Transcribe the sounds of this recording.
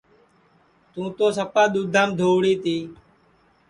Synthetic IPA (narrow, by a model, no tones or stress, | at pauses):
t̪ũːt̪õːsəpãːɗ̪uːd̪ʱaːmd̪ʱoːɽiːt̪iː